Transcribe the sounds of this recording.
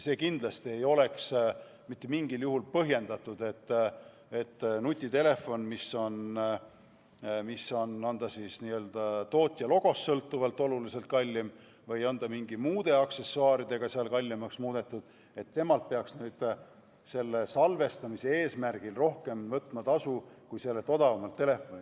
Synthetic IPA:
se̞ːkind̪̥lɑst̪ie̞jo̞le̞ks | mit̪ːe̞miŋɡiljuɦulpɤɦje̞nd̪ɑt̪ːˑud̪̥e̞t̪ː | et̪ːnut̪ʲˑːit̪e̞le̞fo̞nmisːo̞n | misːo̞nɑnd̪̥ɑsiːsniːø̞ld̪̥ɑt̪o̞ːt̪ʲːˑjɑlo̞ɡ̥o̞sːɤlt̪ːˑuvɑlt̪ːˑo̞lulise̞lt̪̚kɑlʲːim | vɤjɑnd̪̥ɑmiŋɡimuːd̪̥e̞ɑkse̞sːuɑːɾid̪̥e̞ɡ̥ɑseɑlkɑlʲːimɑksmuːd̪̥e̞t̪ːˑud̪̥ | e̞t̪ːe̞mɑlt̪̚pe̞ɑksnyːd̪̥ | se̞lːesɑlve̞st̪ɑmise̞eːsmærɡ̥ilro̞hke̞mvɤt̪ˑmɑt̪ɑsukujse̞lːe̞t̪o̞d̪ɑvɑmɑlt̪ːe̞le̞fːo̞nʲi

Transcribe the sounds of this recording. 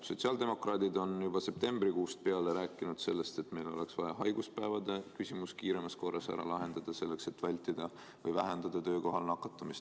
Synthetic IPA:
so̞tsʲɑld̪e̞mo̞krɑːd̪̥id̪o̞njubɑse̞p̚t̪e̞mb̥rikuːst̪̚pe̞ɑleɾæːkːˑinud̪̥se̞lːe̞st̪e̞t̪ːme̞jlo̞̰le̞ksvɑjɑɦɑjɡ̥uspæevɑd̪e̞kysʲimuskiːɾe̞mɑsko̞rːʔɑsæ̰ɾɑ̰lɑɦe̞nd̪̥ɑd̪̥ɑse̞lːe̞kse̞t̪ːˑvælʲt̪ːid̪̥ɑ | vɤjvæɦe̞nd̪̥ɑd̪̥ɑt̪ø̞ːko̞ɦɑlnɑkːˑɑt̪ˑːɑmist̪

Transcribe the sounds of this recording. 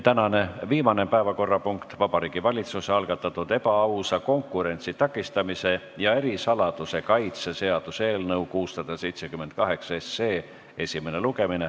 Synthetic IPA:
t̪ænɑne̞viːmɑne̞pæevɑko̞rːɑpuŋkt̪vɑb̥ɑɾiːɡ̥ivɑlʲit̪suseɑlɡ̥ɑt̪ːˑɑt̪ːˑud̪e̞bɑɑwsɑko̞ŋkːˑuɾe̞nʲt̪sit̪ɑkːˑist̪ɑmise̞ | jɑe̞ɾisɑlɑd̪̥use̞kɑjt̪sese̞ɑd̪̥use̞ːlnɤwkuːssɑd̪̥ɑse̞jt̪se̞kymːent̪̚kɑɦe̞ksɑe̞seː | e̞sʲime̞ne̞luɡe̞mine

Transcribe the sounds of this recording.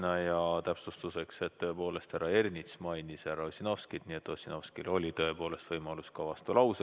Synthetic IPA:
nɑjɑt̪æpsust̪use̞kse̞t̪ːø̞epo̞ːle̞st̪hæɾɑe̞rnʲit̪smɑjnisæɾɑosʲino̞vskid̪̥nie̞t̪ːˑo̞sʲino̞vskilolʲit̪ø̞e̞po̞ːle̞st̪vɤjmɑluskɑvɑst̪ulɑwse

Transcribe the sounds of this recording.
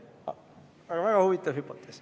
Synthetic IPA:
ɑ̰ | ɑɡɑvæɡ̥ɑhuvit̪ːˑɑvhypːot̪ːˑes

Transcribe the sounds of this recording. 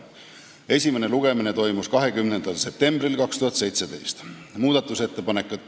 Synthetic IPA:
e̞sʲime̞ne̞luɡ̥e̞mine̞t̪o̞jmuskɑɦe̞kymne̞nd̪̥ɑlse̞p̚t̪e̞mbrilkɑkst̪uhɑt̪se̞jt̪se̞d̪e̞jst̪ | muːd̪̥ɑt̪ːˑuse̞t̪ːe̞pɑne̞kːˑu

